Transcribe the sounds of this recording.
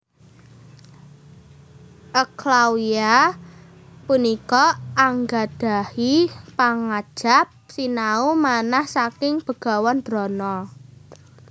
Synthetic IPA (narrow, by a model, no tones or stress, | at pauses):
ʔəklawia | punikɔaŋɡad̥a̤hipaŋad̥ʒ̥a̤p̚sinaumanahsakɪŋb̥ə̤ɡ̥a̤wɔnd̪̥ɾɔnɔ